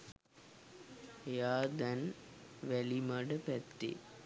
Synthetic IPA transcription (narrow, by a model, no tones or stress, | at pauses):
jaːd̪ænʋælimaɖəpæt̪ːḛ